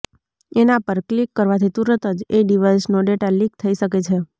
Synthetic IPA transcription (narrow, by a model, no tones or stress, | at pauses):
enapəɾklikːəɾʋat̪ʰit̪uɾət̪əd͡ʒeɖiʋajsnoɖeʈalikt̪ʰəiʃəket͡ʃʰe